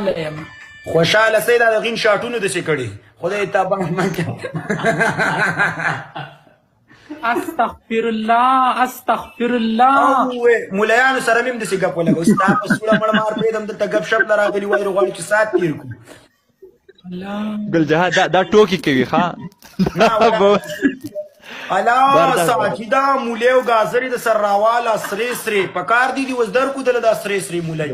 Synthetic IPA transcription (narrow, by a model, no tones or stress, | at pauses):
lajəm | xoʃɑːlasajd̪ɑːd̪əɣinʃɑːʈunod̪əsekəɽe | xʊd̪ajt̪abaŋmaŋka | ast̪axfɪɾʊlːɑɐst̪axfɪɾlːɑawemulajɑːnosaɾamimd̪əseɡapwəlaɡəwst̪apasuɽaməɽmɑːɾpɾed̪əmd̪əlt̪aɡabʃaplaɾɑɣəliwɑːjɾiɣwɑːɽit͡ʃesɑːt̪̚ːiɾku | ɡʊld͡ʒaɦad̪ad̪ɑʈokikawixad̪nawdb | alɑːsɑd͡ʒid̪ɑːmulewɡɑːzəɾed̪əsaɾːɑːwɑːlasɾesɾepəkɑːɾd̪id̪iwaszd̪aɾkud̪əlad̪ɑsɾesɾemulaj